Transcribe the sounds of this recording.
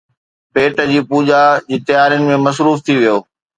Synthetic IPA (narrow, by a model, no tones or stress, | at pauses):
peːʈəd͡ʑiːpuːd͡ʑad͡ʑiːt̪ɐjaːɾjʊnɪ̆mẽmɐsɾuːft̪ʰiʋijoː